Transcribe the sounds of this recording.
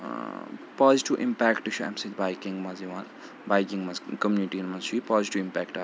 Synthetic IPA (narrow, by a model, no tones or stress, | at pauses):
paːziʈiʋʔḭ̃mpɛkʈɨʃʰɐ̰msit̪bajkĩŋɡmɐziʋaːn | bajkiŋɡmɐzkɐmjuniʈinmɐzt͡ʃʰipaːziʈiʋĩmpɛːkʈa